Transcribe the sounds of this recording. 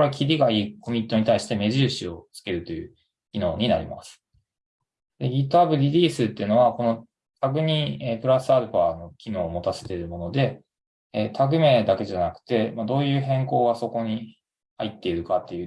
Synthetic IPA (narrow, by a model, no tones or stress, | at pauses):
koɾe̞kʲiɾʲiɡaiːko̞mʲĩt̪ːo̞ɲ̟it̪aiɕi̥t̪e̞me̞ʑɨːɕio̞t͡sɨ̥ke̞ɾɯ̟t̪o̞jɯ̟ː | kʲino̞ːɲ̟ina̰ɾʲḭma̰sɨ̥ | d̪̥e̞iːt̪oabɯ̟dʲiɾʲiːsɨt̪ːeɯ̟no̞βako̞no̞ | t̪ʰaɡɯ̟ɲ̟iepɯ̟ɾasɨaɾɯ̟pano̞kʲino̞ːmo̞t̪ase̞̥t̪e̞ɾɯ̟mo̞no̞d̪e̞ː | t̪ʰaɡɯ̟me̞d̪ake̞ʑanakɯ̟̥t̪e̞mad̪o̞ːjɯ̟ːɦẽ̞ŋko̞ːɡaso̞ko̞ɲ̟i | ha̰it̪ːe̞iɾɯ̟kat̪ːe̞jɯ